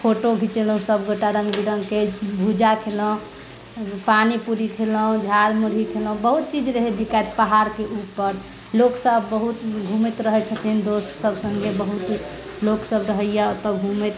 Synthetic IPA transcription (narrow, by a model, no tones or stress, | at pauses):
pʰoʈoɡʱit͡ʃeləɦũsəbɡoʈaɾə̃ŋɡbiɾə̃ŋɡkebʱud͡ʒakʰelə̃ | panipuɾikʰeləũd͡ʒʱalmuɾɦikʰeləũbəɦut̪̚t͡ʃid͡ʒɾəɦɛbikat̪paɦaɾkeupːəɾ | loksəbːəɦut̪ɡʱumet̪ɾəɦɛt͡ʃʰət̪ind̪ost̪səbsəŋɡebəɦut̪ | loksəbɾəɦəjɛt̪ɔɡʱumet̪